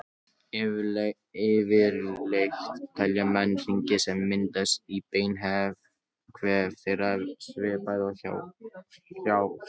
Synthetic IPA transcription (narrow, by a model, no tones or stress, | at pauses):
ɪvɪɾlejxtt̪ʰɛljamɛnːfiɲcɪsɛmːɪnt̪ast̪ipeːjnɦɛv | kʰvɛːɾ̥θɪɾaðsvɪːpajðaθa̰ | θjaːw